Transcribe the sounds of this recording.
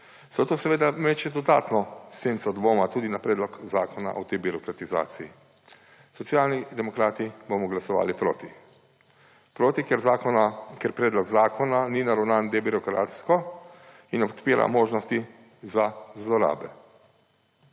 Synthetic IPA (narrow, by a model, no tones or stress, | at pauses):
sat̪oːsɛʋeːd̪amɛt͡ʃɛd̪ɔd̪a̰ːt̪nɔseːnt̪sɔd̪ʋoːmat̪uːd̪inapɾɛːd̪lɔkzaːkɔna̰ʔɔt̪ejbiɾɔkɾat̪iza̰ːt̪sii | sɔt̪sjaːlnid̪ɛmɔkɾaːt̪ibomɔɡlasɔʋa̰ːlipɾo̰ːt̪i | pɾoːt̪ikɛɾzakɔakɛɾpɾɛːd̪lɔɡzaːkʰɔnaninaɾɔwnand̪ebiɾɔkɾa̰ːt̪skɔ | inɔpt̪peːɾa̰moːʒnɔst̪i | zazlɔɾa̰ːbɛ